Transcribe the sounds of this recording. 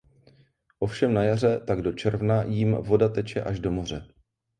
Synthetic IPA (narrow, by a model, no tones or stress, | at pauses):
ʔo̞fʃɛmnajar̝ɛt̪aɡdo̞t͡ʃɛɾvnajiːmvo̞dat̪ɛt͡ʃɛʔaʒdo̞mo̞r̝ɛ